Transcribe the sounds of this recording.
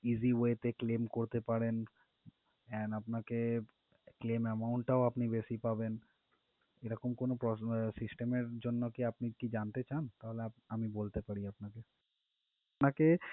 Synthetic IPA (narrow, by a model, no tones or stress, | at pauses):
iziɦoet̪eklemkoɾt̪epaɾen | ɛnapnake | klemɛmaʊɳʈʈaoapnibesipaben | eɾɔkomkonopɾɔsisʈemeɾd͡ʑonːokiapnikid͡ʒant̪et͡ʃaːnt̪aɦoleaamibolt̪epaɽiapnake | apnake